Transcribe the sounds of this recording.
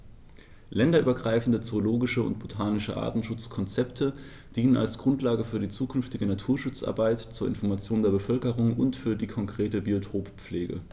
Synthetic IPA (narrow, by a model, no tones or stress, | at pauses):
lɛndɐʔyːbɐɡʁaɪfn̩dət͡sooloːɡɪʃəʊ̰ntb̥otʰaːnɪʃəʔa̰ːɐtn̩ʃʊt͡skʰɔnt͡sɛptʰə | d̥iːnəna̰lsɡ̥ʁʊntlaːɡəfyːɐɾiːt͡suːkʰʏnftɪɡənatʰuːɐʃʊt͡sʔa̰ɐbaɪtt͡suːɐɪ̰nfɔɐmat͡sjoːndeːɐbəfœlkəʁʊŋʊntfyːɐdiːkʰɔŋkʁ̥eːtəbiotʰʁoːpp͡fleːɡə̰